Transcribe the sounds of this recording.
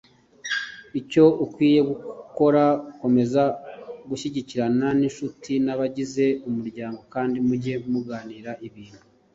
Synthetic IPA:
ico̞ukwiːje̞ɡuko̞ɾauko̞me̞zaɡuʃiɟiciɾananinʃutʰinaβaɟize̞umuɾɟaːŋɡo̞kaːndimuɟe̞muɡaːniːɾaʔiβiːnhu

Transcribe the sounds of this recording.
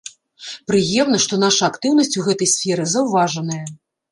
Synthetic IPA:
pɾɨjɛmn̪ɐʂt̪ɔn̪aʂɐːkt̪ɨwnɐsʲt͡sʲuɣɛt̪ɐjsʲfʲɛɾɨzɐwvaʐɐnɐjɐ

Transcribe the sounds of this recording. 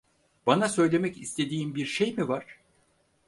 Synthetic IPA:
b̥anasø̞jlʲe̞mɛcist̪ʰe̞d̪iːmbiɾʃejmivaɾ̥

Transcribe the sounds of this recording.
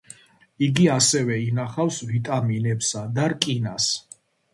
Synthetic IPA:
iɡiasɛvɛinaχafsvit̪ʼaminɛbsad̪aɾkʼinas

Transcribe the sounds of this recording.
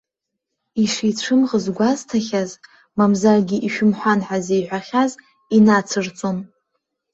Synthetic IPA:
iʂejʈ͡ʂʷʰɨmʁəzɡʷaztʰaχʲaz | mamzarɡʲiʔiʃᶣʊmħʷanħazejʕħʷaχʲaz | inat͡sʰɨrt͡sʷʼom

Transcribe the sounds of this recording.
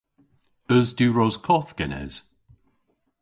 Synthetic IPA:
əzdʉːɹoz̥kʰɔθɡ̥ɛnɛ̰z̥

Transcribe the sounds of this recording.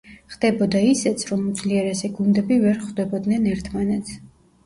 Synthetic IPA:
χd̪ɛbɔd̪aisɛt̪sʰɾɔmud̪zliɛɾɛsɛɡund̪ɛbivɛɾχd̪ɛbɔd̪nɛnɛɾt̪ʰmanɛt̪sʰ

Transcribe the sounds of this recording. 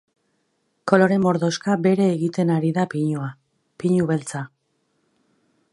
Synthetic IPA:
ko̞lo̞ɾe̞mo̞ɾðo̞skabe̞ɾe̞ːɣit̪e̞naɾiðapiɲua | piɲuβe̞lt͡sa

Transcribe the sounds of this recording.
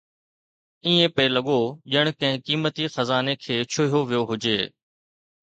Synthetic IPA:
iːẽpəelɐɠoːʄəɽ̃kɐ̃ɦɪ̃kiːmət̪ixɐzaːnekʰeːt͡ʃʰʊɦijoʋijoɦʊd͡ʒeː

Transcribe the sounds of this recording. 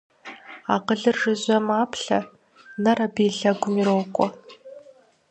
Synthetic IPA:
aːqəɮɨrʐɨʑʷɐmaːpɬɐ̰ | nɐɾɐbeːɬɐɡʷʊmiːɾoːwkʷʼɔ

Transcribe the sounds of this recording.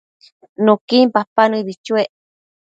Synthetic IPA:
nũkimpapanɨ̃βit͡ʃueʔ

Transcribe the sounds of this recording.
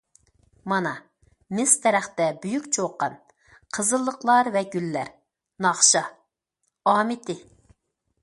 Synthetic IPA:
mɑnɑ | mɪst̪ʰɛɾæχt̪ɛbyjykʲt͡ʃʰoqːɑn | qʰəzəlˠːəqlˠɑɾvɛɡʲylːæɾ | nɑχʃɑ | ɑːmɪt̪ʰɪ

